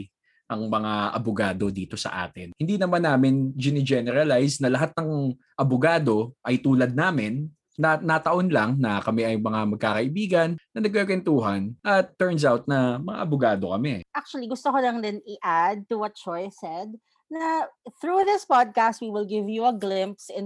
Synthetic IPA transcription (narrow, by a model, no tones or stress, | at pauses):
ʔɐŋmɐŋaʔɐ̰bʊɡaːd̪o̞d̪iːt̪o̞sɐ̰ʔa̰ːt̪ɪnhɪnd̪iːnɐmanːaːmɪnd͡ʒɪnɪd͡ʒɛnɛɾɐlajsnɐlɐɦat̪̚nɐŋ | ʔɐbʊɡaːd̪o̞ʔɐjt̪uːlɐd̪̚naːmɪnː | ɐnɐt̪ɐʔo̞nlɐŋnɐkɐmɛʔɐjmɐŋamɐɡ̚kakɐʔɪbiːɡɐnːɐnɐɡ̚kpɛkwɛnt̪uːɦɐnʔɐt̪ːɛɹns̬awt̪̚nɐmɐŋa̰ʔɐbʊɡaːd̪o̞kɐmɛʔak̚t͡ʃʊɐliɡʊst̪okolɐŋd̪ɪnɪʔad̪̚t̪uwɔt̪̚t͡ʃɔjsɛd̪̚ | nɐθɹuðɪspad̪̚kast̪̚wiwɪlˠɡɪvjuɐɡlɪ̃mpsɪn